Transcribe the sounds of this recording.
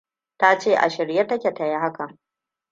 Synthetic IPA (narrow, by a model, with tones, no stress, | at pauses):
ta˦t͡ʃeː˦˨ʔa̰˨ʃɪ˨ɾje˦tɐ˦kʲe˨tɐ˨ja˦ha˦ka˨